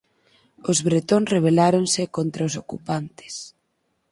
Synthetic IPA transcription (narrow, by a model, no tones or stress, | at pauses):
ozβɾet̪onreβ̞elaɾonsɪkont̪ɾaos̬okupant̪ɪ̥s